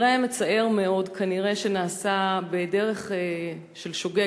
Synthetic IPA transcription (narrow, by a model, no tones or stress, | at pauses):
ʁaamet͡sae̞ʁme̞o̞dkʰaniʁe̞ʃenaːsabedeʁe̞χe | ʃelʃoɡe